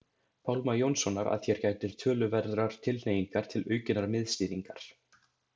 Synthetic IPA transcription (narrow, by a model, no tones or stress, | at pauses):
pʰawlmajownsɔnaɾa̰ðçjɛɾ̥caːjt̪ɪɾ̥t̪ʰœːlʏvɛɾðɾaɾ̥t̪ʰɪlnejiŋkaɾ̥t̪ʰɪlœːɥcʏnaɾmɪðst̪iːðiŋkaɾ̥